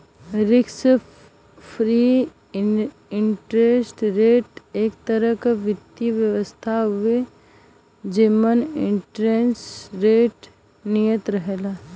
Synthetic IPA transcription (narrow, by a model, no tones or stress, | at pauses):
ɾɪksə | pʰɾi | ɪɳʈɾesʈɾeːʈeːkt̪əɾəɦkaʋɪt̪ːiʋjəʋəst̪ʰaɦʊe | d͡ʒemənɪ̃ɳʈɾeːnsɾeːʈ | nijə̃t̪ɾəɦeːlaː